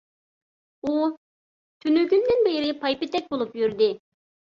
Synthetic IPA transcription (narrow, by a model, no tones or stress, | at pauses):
u | t̪ʰynyɡʲynd̪ɪnbeɾɪpʰɑjpɪt̪ɛk̚ʲbolˠupjyɾd̪ɪ